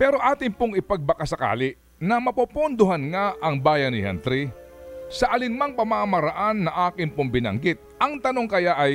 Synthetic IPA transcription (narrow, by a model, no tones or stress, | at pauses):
pɛːɾo̞ʔaːt̪ɪŋpoŋɪpɐɡ̚bɐkɐsɐka̰ːlɪʔ | nɐmɐpopʊnd̪ʊɦɐnŋaʔɐŋbaːjɐnːɪhɐ̰nt̪ɾi | sɐʔɐlɪnmɐŋpɐmamɐɾɐʔanːɐʔaːkɪŋpʊmbɪnɐ̰ŋɡɪt̪̚ɐŋt̪ɐno̞ŋkɐjaʔɐj